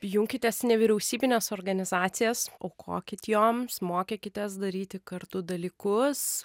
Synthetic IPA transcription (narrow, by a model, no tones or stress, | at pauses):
pjʊŋʲkʲɪt̪ʲesnʲɛʋʲiɾʲɛʊsʲiːbʲɪnʲeːsoːrɡɐnʲɪzɑːt̪sʲɪjɛsoːkʰo̰ːkʲɪt̪ʲjoːmsmoːkʲekʲɪt̪ʲesd̪ɐɾʲiːt̪ʲɪkɐrt̪ʊd̪ɐlʲiːkʊs